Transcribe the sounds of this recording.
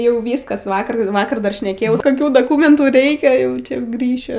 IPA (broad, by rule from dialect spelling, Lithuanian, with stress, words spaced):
ˈjɛʊ ˈʋʲiːskɐs ˈʋɑːkɐr ˈʋɑːkɐr dɐr ʃʲnʲɛˈkʲeːjɛʊ koːˈkʲuː doːˈkʊmʲɛntuː ˈrʲɛɪkʲɛ ˈjɛʊ t͡ʃʲɛ ˈɡrʲiːʃʲʊ